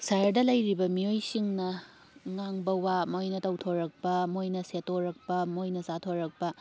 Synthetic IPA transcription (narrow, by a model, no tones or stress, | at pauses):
sajɐɾdɐlɐjɾibɐmijojsiŋnɐ | ŋaŋbɐwamojnɐtɐwtʰoɾɐk̚pɐmojnɐsetoɾɐk̚pɐmojnɐzatʰoɾɐk̚pɐ